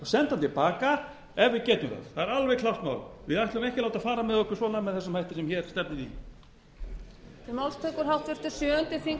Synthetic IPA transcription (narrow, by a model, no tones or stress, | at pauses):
sɛnt̪ant̪ʰɪlpaːka | ɛvvɪcɛːt̪ʏmθa̰ðθaðɛɾalvɛɣkʰlawht̪ma̰wlvɪðaht̪ʏmehcɪlawt̪afaːɾamɛðɔhkːʏ̥svɔːnamɛðθɛsʏmhajht̪ɪsɛmçɛːɾ̥st̪ɛp̚nɪi | t̪ɪɾmawlst̪ʰœkʏɾ̥ɦawht̪vɪɾ̥t̪ʏ̥sjœːʏnt̪ɪfiŋ